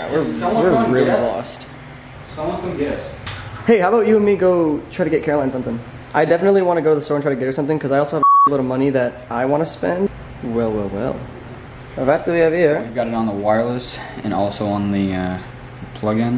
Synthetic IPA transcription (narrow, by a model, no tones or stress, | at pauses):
wɪɹwɪɹlˠɹɪlˠilɔ̰st | sʌ̃ʌ̃fɨ̃ɛsheɪhaʊəbaʊt͡ʃɨə̃nmiɡoʊtʰɹ̥aɪɾɨɡɛt̚kʰɛɹlãɪ̃nsʌ̃mθɪ̃ŋ | ʔaɪdɛfənətˡliwɑ̃ñɨɡoʊɾɨðəstɔɹɨntɹ̥aɾɨɡɛɾɨ˞sʌ̃mθɪ̃ŋkʰʌzaɪɔlˠsoʊævəlɪɾl̩ˠmʌñiðɨɾʔaɪwɑ̃ñɨspɛ̃nd | wɛlˠwɛlˠwɛ̰lˠ | əvæt̪̚dɨwiɨv̥iɹwivɡɑɾɨɾn̩ðəwaɪɹlˠəsɨ̃nɔlˠsoʊə̃nðiʌ | pʰl̥ʌɡɪ̃n